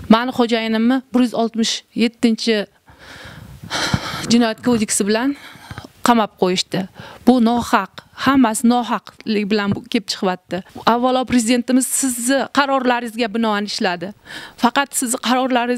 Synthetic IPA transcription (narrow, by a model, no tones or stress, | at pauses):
manɪχod͡ʒajɪnɪmːɪbɪɾjyzɒlˠt̪mɪʃje̞t̪ːɪnt͡ʃʰɪ | d͡ʒɪnɒjat̪̚kʰod̪ekʲsɪbɪlanqʰɑmap̚qʰojɪʃt̪ɪb̥ʊnɒhɑqhamːasɪnɒɦɑqlɪkʲbɪlankʲep̚t͡ʃʰɨ̥qvat̪ːɪavːalˠɒpɾezɪd̪e̞nt̪ɪmɪz̥sɪzːɪqʰɑɾɒɾlaɾɪzɡʲabɪnɒanɪʃlad̪ɪfɑqɑt̪sɪzqʰɑɾɒɾlaɾɪ